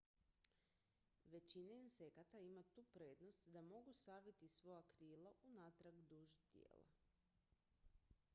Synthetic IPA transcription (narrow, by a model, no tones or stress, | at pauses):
ʋe̞t͡ɕineinse̞kat̪aimat̪uːpɾe̞ːd̪no̞st̪d̪amo̞ɡusaːʋit̪isʋo̞jakɾiːlaʔunat̪ɾaɡd̪uːʒt̪jḛːla̰